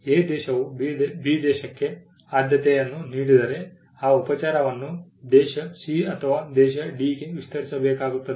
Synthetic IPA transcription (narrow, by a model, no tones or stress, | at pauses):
eːd̪ɛːʃɐʋub̪biːd̪ɛːʃɐkːe̞ | aːd̪ʱjɐt̪ɛjɐnːuniːɽid̪ɐɾe̞ | aːupɐt͡ʃaːɾɐʋɐnːud̪ɛːʃɐsiɐt̪ʰɐʋaːd̪ɛːʃɐɖiːkeʋist̪ɐɾisɐbɛːkaːɡut̪ːɐd̪